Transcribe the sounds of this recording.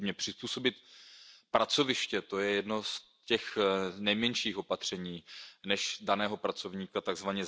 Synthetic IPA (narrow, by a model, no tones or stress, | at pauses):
mɲɛpr̝̥ɪspuːso̞bɪt̪pɾat͡so̞vɪʃcɛt̪o̞jɛjɛdno̞s | cɛxnɛjmɛɲʃiːxo̞pat̪r̝̥ɛɲiːnɛʃdanɛːɦo̞pɾat͡so̞vɲiːkat̪aɡzvaɲɛ